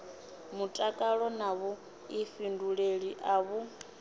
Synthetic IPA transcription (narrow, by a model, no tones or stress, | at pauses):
mutʼakʼaɺɔnaβu | ifinduɺeɺiʔaβu